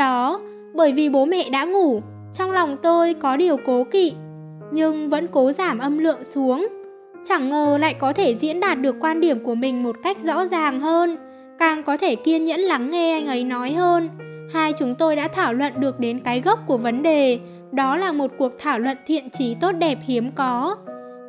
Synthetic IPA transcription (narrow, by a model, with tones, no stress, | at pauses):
ɗɔ˨˦ | ɓəː˧˩jvi˨˩ɓo˨˦mɛ̰˧˨ɗa̰ː˧˥ŋu˧˩ | t͡ɕɔ˧wŋ͡mla˨˩wŋ͡mt̪o˧jkɔ˨˦ɗi˨˩əwko˨˦kḭ˧˨ | ɲɨ˧ŋvə̰˧˥nko˨˦zaː˧˩mʔə˧mlɨ̰˧˨əŋsu˨˦əŋ | t͡ɕa˧˩ŋːəː˨˩la̰ː˧˨jkɔ˨˦t̪ʰe˧˩zḭ˧˥ənɗaː˨˩t̚ɗɨ˨˩əkːwaː˧nɗi˧˩əmku˧˩əmï˨˩ŋ̟mo˨˩t̚ka˦˥jk̟̚zɔ̰˧˥zaː˨˩ŋɦəː˧n | kaː˨˩ŋkɔ˨˦t̪ʰe˧˩ki˧ənɲə̰˧˥nla˨˦ŋːɛ˧ʔa˧jŋ̟ʔə˨˦jnɔ˨˦jhəː˧n | haː˧jt͡ɕʊ˨˦ŋ͡mt̪o˧jɗa̰ː˧˥t̪ʰaː˧˩wlwə̰˧˨nɗɨ˨˩ək̚ɗe˨˦nkaː˨˦jɣə˦˥k͡p̚ku˧˩əvə˨˦nɗe˨˩ | ɗɔ˨˦laː˨˩mo˨˩t̚ku˨˩ək̚t̪ʰaː˧˩wlwə̰˧˨nt̪ʰḭ˧˨ənt͡ɕi˨˦t̪o˦˥t̚ɗɛ˨˩p̚hi˨˦əmkɔ˨˦